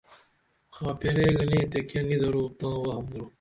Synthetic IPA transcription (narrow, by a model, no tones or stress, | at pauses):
xãːpeɾeːɡɐnẽt̪ekjɐnid̪ɐɾuːt̪ãːwɐɦɐmd̪ɾu